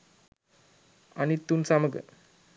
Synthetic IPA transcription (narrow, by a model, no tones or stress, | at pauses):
a̰nit̪ːunsaməɡə̰